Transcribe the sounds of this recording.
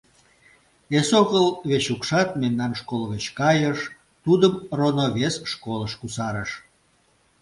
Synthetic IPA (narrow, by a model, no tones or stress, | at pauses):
esoɣəlβet͡ɕukʃɑt̪memnɑnʃkolɣət͡ɕkɑjəʃ | t̪ud̪əmronoβesʃkoləʃkusɑɾəʃ